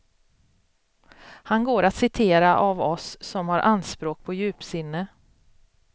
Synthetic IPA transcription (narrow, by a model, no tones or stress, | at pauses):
hanɡoːɾat̪sɪt̪ʰeːɾaʔavɔsːɔmhaɾʔand̪spɾoːk̚pʰɔjʉ̟ːpsɪnːə